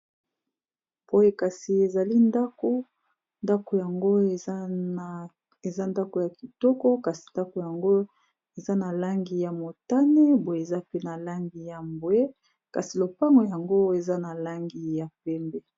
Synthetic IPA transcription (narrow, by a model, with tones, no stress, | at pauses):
po˦je˦ka˨si˨e˨za˨li˦nda˦ko˦ | nda˦ko˨ja˨ŋɡo˦ | e˨za˦nda˦ko˨ja˨ki˨tɔ˦kɔ˦ka˨si̥˨nda˦ko˨ja˨ŋɡo˦ | e˨za˦na˨la˦ŋɡi˨ja˨mo˨ta˦ne˦bo˦je˨e˨za˦pe˦na˨la˦ŋɡi˨ja˨mbwe˦ | ka˨si˨lo˨pa˦ŋɡo˨ja˨ŋɡo˦e˨za˦na˨la˦ŋɡi˨ja˨pɛ˦mbɛ˦